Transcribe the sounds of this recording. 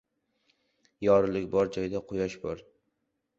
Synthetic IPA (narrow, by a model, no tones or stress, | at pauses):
jɒɾɪlɪkʲbɒɾd͡ʒɒjd̪aqʰʊjɒʃbɒɾ